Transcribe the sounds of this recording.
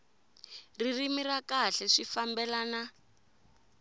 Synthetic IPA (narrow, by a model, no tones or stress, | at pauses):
ririmirakaɬɛʂifambɛlaːna